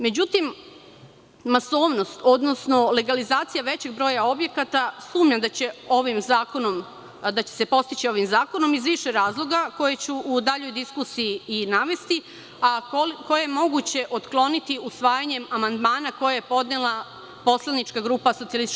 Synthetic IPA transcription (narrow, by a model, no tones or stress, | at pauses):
me̞d͡ʑut̪im | aso̞ːʋno̞st̪o̞d̪no̞sno̞le̞ɡalizaːt̪sijaʋe̞t͡ɕe̞ɡ̚bɾo̞ːjao̞bje̞kat̪asuːmɲad̪at͡ɕeo̞ʋimzakonom | d̪at͡ɕese̞po̞st̪it͡ɕio̞ʋimzaːko̞no̞mizʋiʃe̞ɾaːzlˠo̞ɡako̞jet͡ɕuud̪aʎo̞jd̪iskusijiiinaʋe̞st̪i | ako̞jajemo̞ɡut͡ɕe̞ʔo̞t̪klo̞nit̪iusʋaːjaɲe̞mamand̪maːnako̞jajepo̞d̪nelˠa | po̞slˠanit͡ʃkaɡɾuːpaso̞t̪ialis